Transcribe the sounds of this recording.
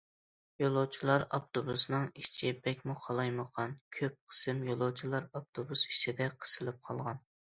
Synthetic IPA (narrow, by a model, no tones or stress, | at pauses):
jolˠowt͡ʃʰilˠɑɾɑp̚t̪obusnɨŋiʃt͡ʃʰɪbɛkʲmuqʰɑlˠɑjməqʰɑnkʲʰøp̚qʰə̥sɨmjolˠowt͡ʃʰilˠɑɾɑp̚t̪ʰobusi̥t͡ʃʰid̪ɛqʰə̥sɨlˠɨp̚qʰɑlˠʁɑn